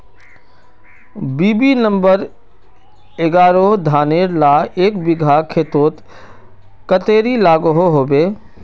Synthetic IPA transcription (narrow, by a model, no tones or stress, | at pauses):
biːbinə̃mbəɾ | ɪɡaːɾod̪ʱaːneːɾlaːeːkbɪɡʱakʰeːt̪oːt̪ | kət̪eːɾilaːɡoɦoɦoːbeː